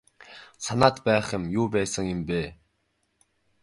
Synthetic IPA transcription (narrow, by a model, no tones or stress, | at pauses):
sanaːt̪pæːχɪ̆mjuːpæːsə̆ŋjɪ̆mpeː